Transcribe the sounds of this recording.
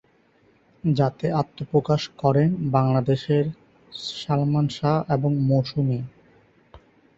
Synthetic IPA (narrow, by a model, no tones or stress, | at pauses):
d͡ʑat̪eat̪ːopɾokaʃkɔɾenbaŋlad̪eʃeɾ | ʃalmanʃaeboŋmoʃumi